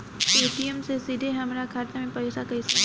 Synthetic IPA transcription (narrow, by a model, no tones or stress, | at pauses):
peːʈiəmsesɪd̪ʱeɦɐmɾakʰaːɾt̪emẽpɐːsakɐisɐ